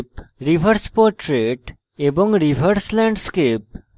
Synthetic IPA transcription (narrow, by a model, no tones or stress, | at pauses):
pɾiʋʱəɾspɔɾʈɾeʈ | ebɔ̃ŋɡɾiʋʱəɾslɛ̃ɳɖskep̚